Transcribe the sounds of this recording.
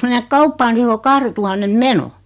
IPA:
menek kɑupːɑː ni se o kɑhretuhɑnːem meno

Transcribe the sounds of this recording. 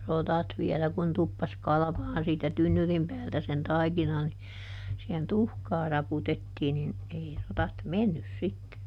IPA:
rotɑt ʋiɛlæ kun tupːɑs kɑlɑ̆ʋɑːn siːtæ tynːyrim pæːltæ sen tɑikinɑ ni sihen tuhkɑː rɑputetːiː nin ei rotɑt menːys sitːe

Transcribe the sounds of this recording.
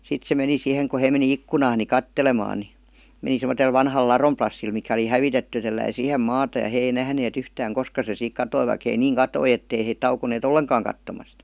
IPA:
sit se meni siːheŋ ku hei meni ikːunɑːn ni kɑtːelemɑːn ni meni semotel ʋɑnhɑl lɑrom plɑsːil mikæ oli hæʋitetːy jɑ telːæi siːhem mɑːtɑ jɑ heː ei næhneːt yhtæːŋ koskɑ se siːk kɑtoi ʋɑik hei niːŋ kɑtoi etːei heit tɑukoneːt olːeŋkɑːŋ kɑtːomɑst

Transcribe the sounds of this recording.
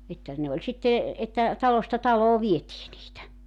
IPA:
etːæ ne olʲ sitːe etːæ tɑlostɑ tɑloː ʋietiː niːtæ

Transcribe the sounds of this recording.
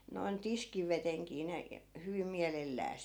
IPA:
noi̯n tiskiʋeteŋkiː ne hyʋim̆ miælelːæːs

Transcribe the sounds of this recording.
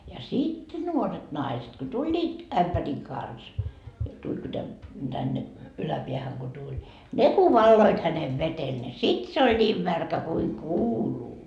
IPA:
jɑ sit nuoret nɑiset ko tulʲːiːt æmpæriŋ kɑns tulʲ ku tæn tænːe ylæpiæhæŋ ko tulʲ ne ku ʋɑlːoit hæneʋ ʋetel ne sit se olʲ nʲiːm mærkæ kuiŋ kuːluː

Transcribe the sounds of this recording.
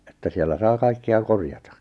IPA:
etːæ sielːæ sɑː kɑikːeɑ korjɑtɑ

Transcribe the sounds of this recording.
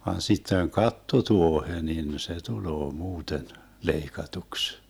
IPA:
ʋɑn sitːeŋ kɑtːotuohe nin se tuloː muːten leikɑtuks

